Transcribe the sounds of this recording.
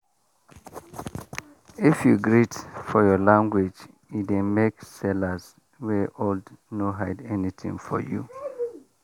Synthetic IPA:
ifjuɡɹitfɔjɔlãŋɡwed͡ʒ | idẽmeksɛlaz | wɛʔoldnoɦaɪdɛnitʰḭ̃ŋfɔ̰jṵ

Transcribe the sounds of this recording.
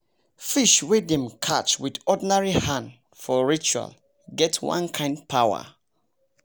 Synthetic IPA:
fiʃwedɛ̃mkʰat͡ʃwidɔdinaɹihãn | fɔɹit͡ʃua̰l | ɡɛtwã̰nkʰãɪ̃nd̚pʰawə̰

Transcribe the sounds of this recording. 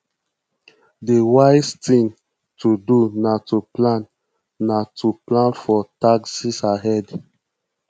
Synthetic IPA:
dewaɪstĩŋ | tʰudunatuplãnː | atuplãnfɔtaksisaɦɛd

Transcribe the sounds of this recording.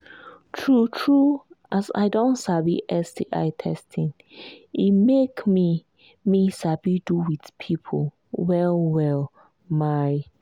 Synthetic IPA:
tʰɹutʰɹuʔasa̰ɪdõntsabiʔɛsdiʔa̰ɪtʰɛstʰĩn | imekmi | misabiduwidpʰipʰol | wɛlwɛl | maj

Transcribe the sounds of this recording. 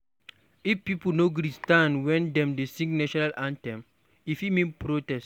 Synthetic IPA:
ifpipulnoɡuɾistãnwɛ̃ndɛ̃mdesĩŋɡnɛʃɔnalʔãntɛ̃m | ifimĩnpɾotɛst

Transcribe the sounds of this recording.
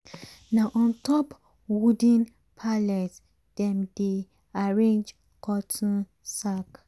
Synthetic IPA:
naʔɔ̃ntɔp | wudĩn | pʰalɛt | d̥ɛ̃mde | aɹẽnd͡ʒ | kʰɔtʰɔ̃ | sak

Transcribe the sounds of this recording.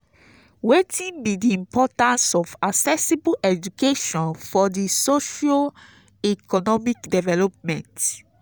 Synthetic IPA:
wetʰĩnbidiĩmpʰɔtãnsɔfaksɛsibuʔɛd͡ʒukeʃɔ̃nfɔdisoʃa | ikɔnɔmikdɛvɛlɔp̚mɛ̃nt

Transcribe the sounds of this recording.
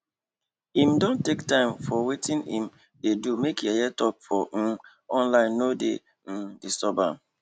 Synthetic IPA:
ĩmdɔ̃ntektãɪ̃mfɔwetʰĩnhḭ̃m | dedumekjajɛtɔp̚fɔ | ɔ̃nlãɪ̃nːodḛ | n̩disɔbam

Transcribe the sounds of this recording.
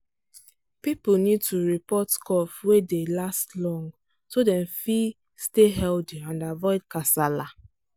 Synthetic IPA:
pipnid̚tʰuɹipɔtkɔfwedelastlɔ̃ŋɡ | todɛ̃mfi | steɦɛldiãndavɔɪd̚kasala

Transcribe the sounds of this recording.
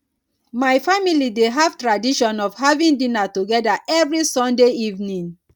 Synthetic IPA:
maɪfamilideɦav̥tɹadiʃɔ̃nɔvhavĩndĩnatuɡɛdaʔɛvɹisɔ̃ndeivnĩŋ

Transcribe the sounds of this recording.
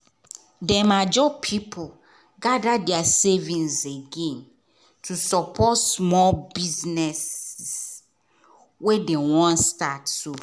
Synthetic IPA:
dɛmad͡ʒɔpʰipʰo | ɡadadɛasevĩnseɡẽn | tʰusɔpʰɔtsmɔlbiznɛs | wedewɔ̃nstatsu

